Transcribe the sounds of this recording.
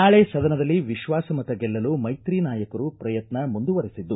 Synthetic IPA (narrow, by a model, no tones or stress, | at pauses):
naːɭe̞ːsɐd̪ɐnɐd̪ɐlːiʋiʃʋaːsɐmɐt̪ɐɡɛlːɐlumɐjt̪ɾiːnaːjɐkɐɾupɾɐjɐt̪nɐmund̪uʋɐɾisid̪ːu